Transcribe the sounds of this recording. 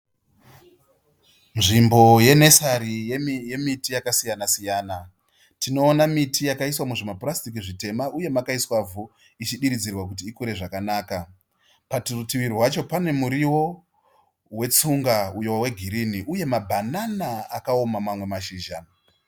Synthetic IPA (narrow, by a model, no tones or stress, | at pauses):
nʐimbo̞je̞ne̞saɾije̞mitijakasijanasijaːna | tino̞ːnamitijakaiswamuʐemaprastik̬iʐite̞maʔuje̞makaiswavu | it͡ʃiɗiɾid͡zirwak̬ut̬iːkuɾe̞ʐakanaːka | patirutiʋirwat͡ʃo̞pane̞muɾiwo̞ | we̞t͡suŋɡaujowawe̞ɡʱiɾiniʔuje̞mabʱananaakao̞mamamwe̞maʃiːʒa